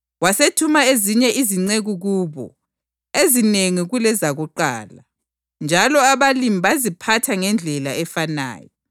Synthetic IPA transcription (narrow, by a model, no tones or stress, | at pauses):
wasetʰumaeziɲɛʔiziŋ͡ǀeɣuɣuːβɔ̰ | ezineŋiɣulɛzaɣuǃa̰ːla | nd͡ʒʱalɔaβalimiβazipʰatʰaŋɛnd͡ɮʱɛlaɛfana̰ːjɔ